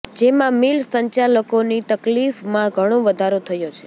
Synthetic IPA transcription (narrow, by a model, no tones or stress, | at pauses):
d͡ʒemãmilsəɲt͡ʃaləkonit̪əklifmãɡʱəɽ̃oʋəd̪ʱaɾot̪ʰəjot͡ʃʰe̥